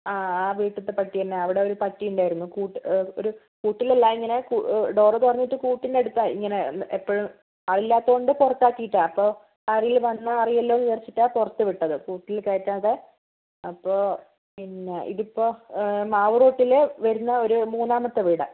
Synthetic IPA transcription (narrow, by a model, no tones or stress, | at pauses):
aːaːʋiːʈːɐt̪ːepɐʈːitɐnːeɐʋiɽe̞o̞ɾupɐʈːijuɳɖaːjiɾunːukuːʈːo̰ɾu | kuːʈːilelːaːmiŋːɐne̞kːɖo̞ːrɐt̪uɐrɐɲːiʈːɨkuːʈːinde̞ɽut̪ːaḭŋːɐne̞epːoɻum | aːɭilːaːt̪ːɐɣoɳɖɨpurɐt̪ːaːkːijiʈːaːnɐpːo̞ː | aːrijilʋɐnːɐɐrijɐlːoniðɐrt͡ɕːiʈːaːpurɐt̪ːɨʋiʈːɐðɨkuːʈːilkeːtːaːðe | ɐpːo̞ː | inːeʔḭðipːo̞ːmaːʋruːʈːileʋɐɾunːɐo̞ɾumuːnːaːmɐt̪ːɨʋiːɽɐ̰